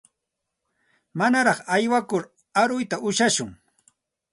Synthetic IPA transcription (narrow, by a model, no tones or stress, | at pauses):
manaɾɑχajwakʊɾ | aɾʊjt̪aʔʊʃaʃʊŋ